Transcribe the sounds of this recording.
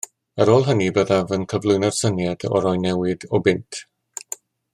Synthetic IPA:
əɾoːlˠɦənibəðavənkʰəvlˠʊɨnɔr̥sənjad̥ɔ̰ɾɔjnɛwɪdɔbɪntʰ

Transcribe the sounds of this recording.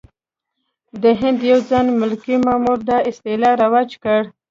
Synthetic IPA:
d̪əɦɪnd̪jawd͡zɑnmʊlkimɑmuɾd̪ɑɪst̪elɑɾawɑd͡ʒkəɽ

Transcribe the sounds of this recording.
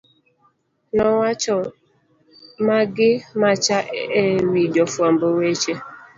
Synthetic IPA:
nɔŋʷat͡ʃɔ | maɡɪmat͡ʃaʔeɾid͡ʒɔfuam̩bowet͡ʃe

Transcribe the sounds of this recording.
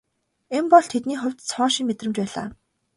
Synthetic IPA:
empɔɮt̪ʰet̪̚niːχʊ̟wʲt̪t͡sʰɔːʃĭŋmet̪rɘ̆mt͡ɕpæːɮa̰ː

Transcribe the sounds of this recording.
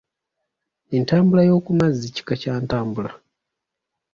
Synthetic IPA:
entaːmbulajo̞ːkumazːici̥kacaːntaːmbula

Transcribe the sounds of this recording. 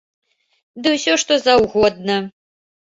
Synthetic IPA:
d̪ɨwsʲɔʂt̪ozawɣɔd̪̚nɐ

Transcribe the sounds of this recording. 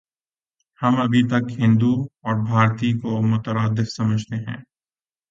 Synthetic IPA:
hɐmɐbʱit̪ɐkɦɪ̃nd̪uɔːɾbʱaːɾt̪ikomʊt̪əɾaːd̪ɪfsɐməd͡ʒʱt̪eɦɛ̰̃ː

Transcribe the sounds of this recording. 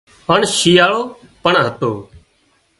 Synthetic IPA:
ɦəɳʃiːjaːɭoː | pəɳɦət̪oː

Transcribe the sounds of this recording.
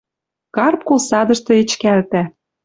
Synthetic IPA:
kɑrp̚kolsɑd̪ɤ̆ʃt̪ɤ̆et͡ɕkælt̪æ

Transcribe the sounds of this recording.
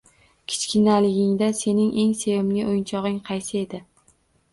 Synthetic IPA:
kʲʰɪ̥t͡ʃkʲɪnalɪɡʲɪŋd̪ase̞nɪŋʔe̞ŋsejɪmlɪʔojnt͡ʃʰɒʁɪŋqʰɑjsɪe̞d̪ɪ

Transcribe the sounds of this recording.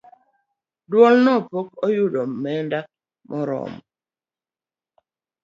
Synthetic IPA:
dwɔlnɔpokɔjudɔmɛndak̚ | mʔɔɾɔ̰mɔ

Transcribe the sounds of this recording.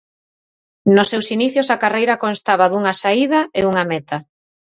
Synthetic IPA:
nʊsːewsiniθjosakarejɾakonst̪aβaðuŋasaið̞ɐeuŋamɛt̪a

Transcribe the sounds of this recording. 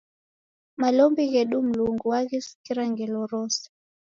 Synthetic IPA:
malɔmbiɣɛɗum̩luŋɡuwaɣisi̥kiɾaŋɡɛlɔɾɔsḁ

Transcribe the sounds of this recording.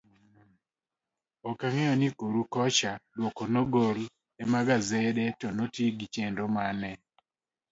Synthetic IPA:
ɔkaŋɛɔnikoɾukɔt͡ʃadwɔkɔnoɡol | ɛmaɡazɛdɛtɔnotjeɡit͡ʃɛndɔmanɛ

